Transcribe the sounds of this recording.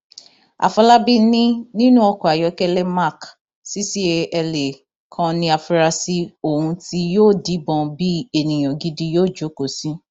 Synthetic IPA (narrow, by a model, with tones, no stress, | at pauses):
a̰˨fɔ˧la˦bi˦nĩ˦nĩ˦nũ˦ɔ˧kɔ˨a˨jɔ˨˧˦kɛ˦lɛ˦ma˦˨k | si˦si˦e˧ɛ˧le˨ | kʰã˧nĩ˧a˨fu˧ɾa˧si˧o˨hũ˧ti˧joː˦˨di˨˦bɔ̃˧bi˦e˧˨nĩ˨j̃ɔ̃˨ɡi˦di˧joː˦˨d͡ʒo˨˦ko˨sĩ˦